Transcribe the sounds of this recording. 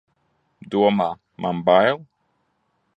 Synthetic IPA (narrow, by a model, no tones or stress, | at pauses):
d̪uoma | mʔambajlˠ